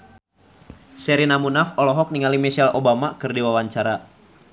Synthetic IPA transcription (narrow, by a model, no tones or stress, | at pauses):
sɛɾinamunafɔlɔɦɔk̚niŋalimisalobamakɨrdiwawaɲt͡ʃaɾa